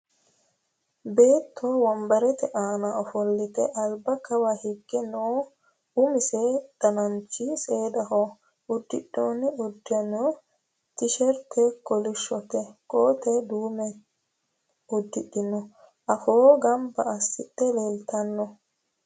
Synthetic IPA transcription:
be̞ːt̪ʰːoːwɐmbɐɾɛt̪ɛʔaːnɐɔfɔlːɪt̪ɛʔɐlbɐkɐwahɪɡːɛnoː | ʊmɪsɛd̪̥ɐnɐnt͡ʃːɪse̞ːd̪ɐho | ʊd̪ːɪ̰ɗːoːnːɪʊd̪ːɪjɐnoː | t̪ɪʃɛɾt̪ʰɛkɔlɪʃːɔt̪ɛkoːt̪ɛd̪uːmɛ | ʊd̪ːɪɗɪnɔ | ʔɐfoːɡɐmbɐɐsːɪt̪ːɛleːlt̪ɐnːɔ

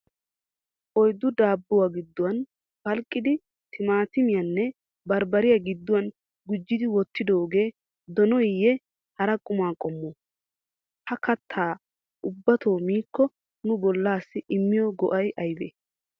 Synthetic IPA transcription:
ʔɔjd̪ːʊd̪aːbːʊwaɡɪd̪ːʊwɐn | fɐlkʼːɪd̪ɪ | t̪ʰɪmaːt̪ɪmɪjɐnːɛ | bɐɾbɐɾɪjɐɡɪd̪ːʊwɐn | ɡʊd͡ʒːɪd̪ɪwɔt̪ːɪd̪oːɡe̞ː | d̪ɔnɔjɪjːɛ | hɐɾɐkʼʊmaːkʼɔmːo | hɐkɐt̪ʰːaː | ʊbːɐt̪o̞ːmiːkːɔ | nʊbɔlːaːsːɪʔɪmːɪjɔɡɔʔɐjʔɐjbḛː

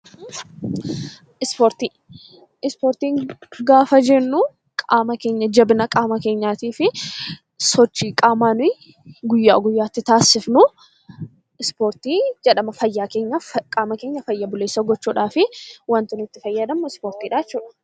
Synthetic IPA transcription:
ɪspoːɾt̪iː | ɪspoːɾt̪iːŋɡaːfɐd͡ʒɛnːu | kʼaːmɐke̞ːɲːɐd͡ʒɐbɪnɐkʼaːmɐke̞ːɲːaːt̪iːfɪ | sɔt͡ʃːiːkʼaːmaːnʊj | ɡʊjːa̰ːɡʊjːaːt̪ːɪt̪aːsɪfnʊ | ɪspoːɾt̪iːd͡ʒɛᶑɐmɐfɐjːaːke̞ːɲːɐkʼaːmɐke̞ːɲːɐfɐjːɐbʊle̞ːsːɐɡɔt͡ʃːuːᶑaːfɪwɐnt̪ɪnɪt̪ːɪfɐjːɐd̪ɐmːɔɪspoːɾt̪iːᶑaːɪt͡ʃːuːᶑɐ̥

